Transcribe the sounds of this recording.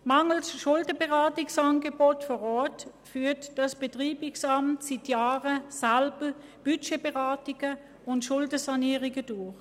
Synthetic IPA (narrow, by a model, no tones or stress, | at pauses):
mɑŋl̩sʃʊldəbəʁaːtɪksɑnɡəbɔtfɔʁɔːtfyːɐtd̥ɑsb̥etʁiːbɪksɑmtsitjaːʁəsalbəb̥yt͡ʃebeʁaːtɪɡə | ʊntʃʊldəsɑniːʁɪɡədʊɐχ